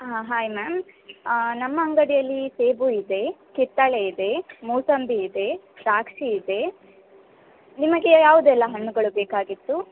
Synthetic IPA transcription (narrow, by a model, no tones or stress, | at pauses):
ɦaːjmaːm | nɐmːɐːŋɡɐɽijɐlːiseːbuid̪e̞kit̪ːɐɭeid̪e̞muːsɐmbiːd̪e̞ | ʃaːkʂiːd̪e | nimɐɡejaːʋud̪ɛlːɐɦɐɳːuɡɐɭubeːkaːɡit̪ːu